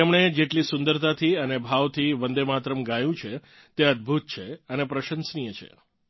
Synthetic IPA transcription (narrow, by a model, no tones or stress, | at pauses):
emɳ̃ed͡ʒeʈlisʊnd̪əɾt̪at̪ʰiənebʱaʋt̪ʰiʋənd̪emat̪ɾəmɡajũt͡ʃʰe | t̪eəd̪̚bʱut̪̚t͡ʃʰeənepɾəʃənsnijət͡ʃʰḛ